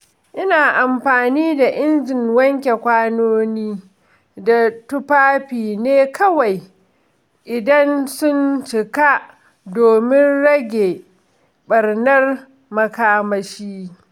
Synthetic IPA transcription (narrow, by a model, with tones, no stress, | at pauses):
ʔɪ˦naː˨ʔa˨mɸaː˨niː˦da˨ʔɪ˦nd͡ʒɪ˨ŋwɐ˦ŋkʲe˨kʷaː˦noː˦niː˦ | da˨tʊ˦paː˦ɸiː˨neː˦kʰɐ˦wa˨j | ʔɪ˨dɐ˦nsʊ˦nt͡ʃɪ˨ka˦ʔ | doː˨mɪ˦nɽɐ˦ɡʲe˨ | ɓɐ˨rnɐ˦r | mɐ˨kaː˦mɐ˦ʃiː˦